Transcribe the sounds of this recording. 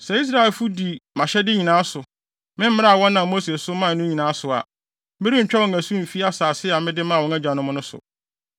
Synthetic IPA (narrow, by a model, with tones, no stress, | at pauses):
sɛ˨i˦s̬ɾa˨ɛ˨lfu˦di˨mã˨ɕɛ˦dɪ˦ɲĩ˨nãː˦sʊ˨ | mɪ̃˦m̩˦mɪ̃˦a˦a˨wɔ̃˦nːã˨mo˦se˨sʊ˦mã˦˨nʊ̃˦ɲĩ˨nãː˨˦sʊ˨a̰˨ | m̩˦bɪ˦ɾi˦ɲ̩˨t͡ɕᶣɛ˦wɔ̃˨ŋ̩˨æ˨sũ˦m̩˨fi˦a˦saː˨sɪ˦˨a˨mɪ̃˦dɪ˦mã˦˨wɔ̃˨˦æ˦d͡ʑa˨nʊ̃˦mʊ̃˦nʊ̃˦sʊ̰˨